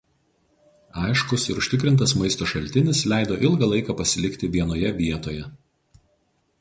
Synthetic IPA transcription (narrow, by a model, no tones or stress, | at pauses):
ɑˑɪʃkʊsɪɾʊʃʲt̪ʲɪkɾʲɪnt̪̬ɐsmɐɪst̪oːʃɐlʲt̪ʲɪnʲɪslʲæˑɪd̪oːʔɪlˠɡɐlˠɐɪkɑpɐsʲɪlʲɪkʲt̪ʲɪʋʲiɛnoːjɛʋʲiɛt̪oːjɛ